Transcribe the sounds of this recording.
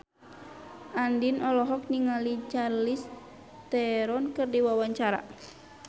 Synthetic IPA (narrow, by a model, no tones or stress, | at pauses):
ʔandinɔlɔɦɔk̚niŋalit͡ʃarlis | t̪ɛɾɔnkɨrdiwawaɲt͡ʃaɾa̰